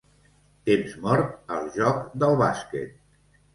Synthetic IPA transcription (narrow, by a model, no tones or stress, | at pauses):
t̪emzmɔɾt̪əlˠʒɔkd̪əlˠβaskḛt̪̚